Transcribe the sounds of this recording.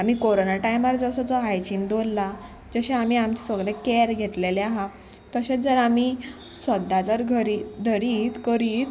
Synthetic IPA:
am̤iːkoɾonaʈajmaɾd͡zəsɔd͡zɔɦajt͡ɕind̪olːa | d͡ʑəɕeam̤iːamt͡ɕesəɡlekɛɾɡʱet̪leleaɦa | t̪əɕed͡zəɾamiː | səd̪ːad͡zəɾɡʱəɾid̪ʱəɾiːt̪kəɾiːt̪

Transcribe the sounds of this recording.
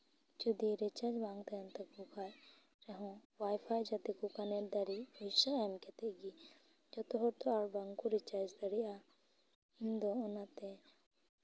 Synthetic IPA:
d͡ʒud̪iɾɛt͡ʃad͡ʒbaŋɡt̪ajɔnt̪ɛbukʰaj | ɾɛɦɔ̃wajpʰajd͡ʒat̪ikɔkanɛɾd̪aɾiɔjsaɛmkɛt̪ɛɡi | d͡ʒɔt̪ɔɦɔɾt̪ɔaɾbaŋkuɾɛt͡ʃad͡ʒd̪aɾiʔa | ind̪ɔːnat̪ɛ

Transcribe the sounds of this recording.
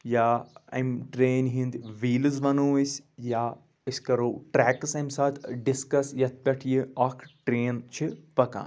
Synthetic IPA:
jaːɐ̰mʈɾeːnʲɦĩnd̪ʋiːlɨzʋɐnoːəsʲjaː | ɨsʲkɐɾoːʈɾɛːksɐmsaːt̪ʰɖɪskɐsjɐt̪̚ʰpʲɐʈʰjiɔːkʰʈɾeːnt͡ʃʰipɐka̰ːn

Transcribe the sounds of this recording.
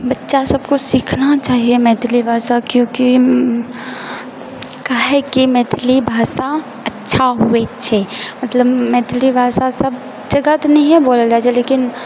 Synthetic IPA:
bɐtːʃasɐbkosiːkʰnat͡ʃaːɦiemɛːt̪ʰlibʱaːsakjõːki | kaːɦɛkimɛːt̪ʰlibʱaːsa | ɐtːʃʰaɦuet͡ʃʰemɐt̪ləbmɛːt̪ʰlibʱaːsasɐb | d͡ʒɐɡət̪onɐɦĩɦɛboːlad͡ʒat͡ʃʰeleːkɪn

